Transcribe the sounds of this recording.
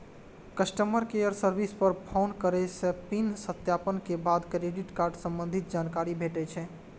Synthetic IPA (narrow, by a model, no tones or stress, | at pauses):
kəsʈəməɾkejəɾsəɾbʱispəɾpʰaʊnkəɾɛsepinsət̪japənkebad̪kɾeɖiʈkaɾɖsə̃mbə̃nd̪ʱit̪̚d͡ʒankaɾibʱeʈɛt͡ʃʰɛ